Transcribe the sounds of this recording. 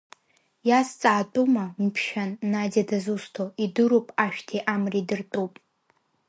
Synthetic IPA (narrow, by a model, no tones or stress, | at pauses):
jast͡sʼaːtʼumampʰʃᶣanːadadazustʰoidɨɾupʼaʃᶣtʰiʔamridɨrtʼupʼ